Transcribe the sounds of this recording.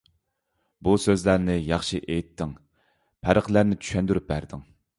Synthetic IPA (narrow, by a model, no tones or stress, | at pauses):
busøzlæɾnɪjɑχʃiʔejt̪ʰːɪŋ | pʰæɾəqlæɾnɪt͡ʃʰy̥ʃɛnd̪yɾyp̚bæɾd̪ɪŋ